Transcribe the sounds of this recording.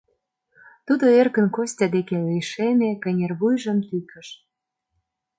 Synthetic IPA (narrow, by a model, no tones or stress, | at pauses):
t̪ud̪oerkə̆nkosʲtʲɑd̪ekelejʃemekə̆nʲerβujʒə̆mt̪ykə̆ʃ